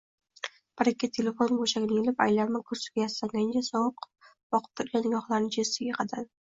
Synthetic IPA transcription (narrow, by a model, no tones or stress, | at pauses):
paɾakʲːat̪ʰe̞le̞fonboʃaɡʲɪnajelɪpa̰jlaɾmakʰʊɾsɪ̥ɡʲajasaŋɡʲand͡ʒasɒwq | bɒqʰɨ̥p̚t̪ʰʊɾɡʲanːɪɡɒχlˠaɾnɪd͡ʒesɪɡʲaqʰɑd̪an